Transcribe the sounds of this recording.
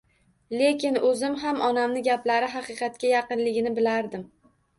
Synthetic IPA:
le̞kʲɪnɵzɪmɦamʔɒnamnɪɡʲaplaɾɪɦɑqɨqʰɑt̪̚kʲajɑqɨnlɪɡʲɪnɪbɪlaɾd̪ɪm

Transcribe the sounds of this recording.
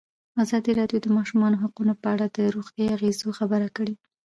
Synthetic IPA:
azɑd̪iɾɑɖjod̪əmɑʃumɑnoɦaqunopəaɽad̪əɾoxt̪jɑjiaɣezoxabəɾakəɽi

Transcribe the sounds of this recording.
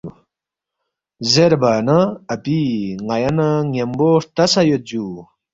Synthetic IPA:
zeɾbaːnɐːpiŋɐjɐnɐŋemboːʂt̪ɐsɐjot̪̚d͡ʑu

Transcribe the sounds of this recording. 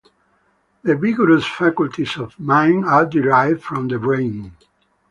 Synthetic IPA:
ðəviɡɔɾəsfækult̪ʰisɔvmãɪ̃nadiɹaɪvdfɹɔ̃mðəbɹẽɪ̃n

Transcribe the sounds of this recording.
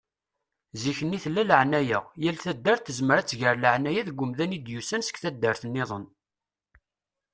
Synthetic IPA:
ziçənːiθlːæləʕnæjə̰ʁjælθæd̪ːəɾθəzməɾæt͡sːʝəɾləʕnæjæðɡʷʊmðænid̪jusænsə̥kθæd̪ːəɾθənːɪðˤən

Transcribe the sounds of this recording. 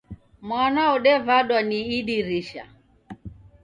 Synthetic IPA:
mwanaɔɗɛvaɗwaniːɗiɾiʃa̰

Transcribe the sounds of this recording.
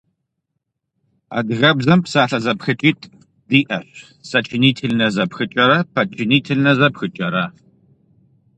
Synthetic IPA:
a̰dɣɐbzɐmpsaːɬɐzɐpxɨt͡ʃʼiːtʼ | d̥iːʔɐɕ | sɐt͡ʃʰʼɪniːtʰɨɮnɐzɐpxɨt͡ʃʼɐɾɐpʰɐt͡ʃʰʼɪniːtʰɨlnɐzɐpxɨt͡ʃʼɐɾɐ

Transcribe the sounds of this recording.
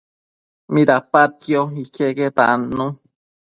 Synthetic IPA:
miɾapat̪̚kjoikeket̪a̰nːũ

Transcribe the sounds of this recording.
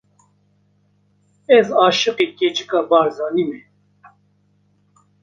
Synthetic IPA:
ɛzɑːʃɨqiked͡ʒɨkɑːbɑːɾzɑːniːmɛ

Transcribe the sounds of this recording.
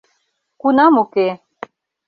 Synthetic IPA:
kunɑmuke

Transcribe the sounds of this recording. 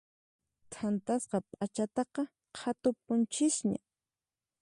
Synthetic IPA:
t̪ʰant̪asqɑpʼat͡ʃat̪ɑqɑ | qʰat̪ʊpʊnt͡ʃɪʃɲa̰

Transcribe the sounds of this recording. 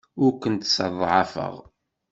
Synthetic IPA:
ʊɾkʷənt̪səðˤːʕɑfə̰ʁ

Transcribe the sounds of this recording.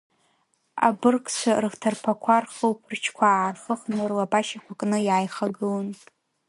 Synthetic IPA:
a̰bɨrkʰʼt͡ʃʷʰarχtʰarpʰakʷʰarχəwpʰɨrt͡ʃʰkʷʰaːrχəχnɨrlabaʃaχʷakʼnɨjaːjχaɡɨln

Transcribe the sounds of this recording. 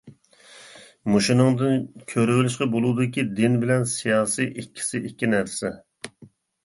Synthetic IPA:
muʃunɨŋd̪ɨnkʲʰøɾvɪlɪʃqɑbolˠud̪ɨkʲid̪ɪnbɪlɛnsijɑːsijʔikʲʰːi̥sɪʔikʲʰːinæɾsɛ

